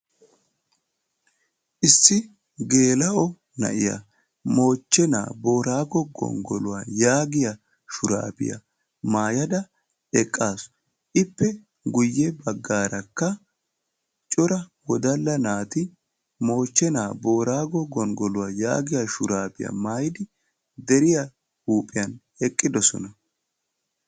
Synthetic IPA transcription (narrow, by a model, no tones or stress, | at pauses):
ʔɪsːɪ | ɡeːlɐʔɔ | nɐ̰ʔɪja̰ | mo̞ːt͡ʃːɛna̰ːbo̞ːɾaːɡɔɡɔ̰ŋɡɔ̰lʊwajaːɡɪja | ʃʊɾa̰ːpɪ̰jɐ̰ | maːjɐd̪ɐ | ɛkʼːaːsɔ̥ | ʔɪpːɛ | ɡʊjːɛbɐɡːaːɾɐkːɐ | t͡ʃʼɔɾɐwɔd̪ɐlːɐnaːt̪ɪ | mo̞ːt͡ʃːɛnaːbo̞ːɾaːɡɔɡɔŋɡɔlʊwaːja̰ːɡɪjaʃʊɾaːpɪ̰jɐ̰maːjɪd̪ɪ | d̪ɛɾɪja | huːpʼɪjɐn | ɛkʼːɪd̪ɔsɔ̰nɐ